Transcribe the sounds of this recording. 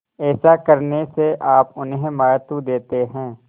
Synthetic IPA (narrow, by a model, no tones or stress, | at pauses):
ɛːsakɐɾneseʔaːpʊnɦẽmaːjt̪ud̪eːt̪eɦɛ̃ː